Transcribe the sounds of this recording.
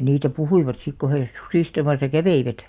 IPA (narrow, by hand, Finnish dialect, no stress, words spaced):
niːtæ puhuiʋɑt sik ko he susiˑstɑmɑsɑ kæʋeiʋæt